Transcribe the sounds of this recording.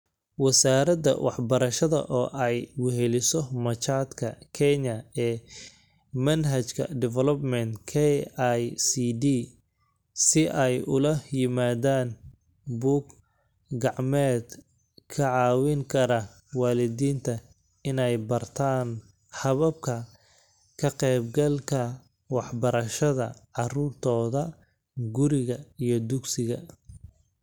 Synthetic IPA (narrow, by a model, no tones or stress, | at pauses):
wɐsaːɾɐd̪ɐ̰wʔɑħbɐɾɐʃɐðɐ̰ʔɔːʔɛjwʊɦɛlɪsɔmɐt͡ʃaːd̪kʰɐkʰɛɲɐɛː | mɐnɦɐt͡ʃkʰɐ̰ɖɪvɛlɔbmɛnt̪kʰɛajsidiː | sɪʔɛjʊlɐjɪmaːðaːn | buːɡ | ɡɑʕmɛːd̪ | kʰɐʕɑːwɪŋkʰɐɾɐ | wɑːlɪðiːnt̪ʰɐ | ɪnɛjbɐrt̪ʰaːn | hɐβɐb̚kʰɐ | kʰɐqɛjbɡɐlkʰɐ | wɑħbɐɾɐʃɐðɐ̰ʕɑruːrt̪ʰɔːðɐ | ɡʊɾɪɣɐijɞd̪ʊɡsɪɣɐ